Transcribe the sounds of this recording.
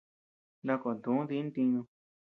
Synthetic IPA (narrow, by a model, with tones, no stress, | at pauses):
nã˦˧ko˨nd̪ũ˨˦ði˧˦nt̪ĩ˧ɲũ˧